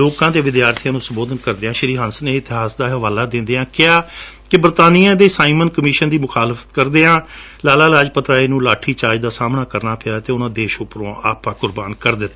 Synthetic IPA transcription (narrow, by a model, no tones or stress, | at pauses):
oːkãːt̪eːʋɪd̪jaːɾt̪ʰijãːnũːsəmboːd̪ənkəɾd̪eːãːʃəɾiːɦənsneːɪt̪ɪɦaːsd̪aːɦəʋaːlaːd̪ɪ̃nd̪eːãːkɪaː | kɪbəɾt̪aːniːãːd̪eːsaːimənkəmɪːʃənd̪iːmʊxaːlfʰə̥t̪kəɾd̪eːãː | laːlaːlaːd͡ʒpət̪ɾaːiːnũːlaːʈʰːiːt͡ʃaːd͡ʒd̪aːsaːmnaːkəɾnaːpʰɪjaːt̪eːʊnãːd̪eːʃʊpɾõʔa̰ːpãːkʊɾbaːnkəɾd̪ɪt̪ː